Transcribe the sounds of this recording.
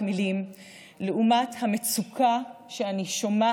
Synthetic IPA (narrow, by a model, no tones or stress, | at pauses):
milim | leumathamet͡sukʰaʃeaniʃoma